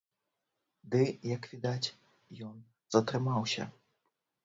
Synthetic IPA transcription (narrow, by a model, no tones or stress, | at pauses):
d̪ɨjɐkvʲid̪at͡sʲ | jɔn | z̥ɐt̪ɾɨmawsʲɐ̰